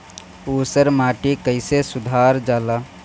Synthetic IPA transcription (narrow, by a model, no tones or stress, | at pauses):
uːsəɾmaːʈikəɪsesʊd̪ʱaːɾd͡ʒaːlaː